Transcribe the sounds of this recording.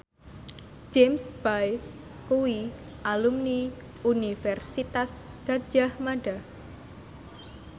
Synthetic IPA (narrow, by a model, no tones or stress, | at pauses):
d͡ʒemsb̥aj | kuwi | ʔalumni | unifɛrsit̪as | ɡ̥ḁd͡ʒahmaɖ̥a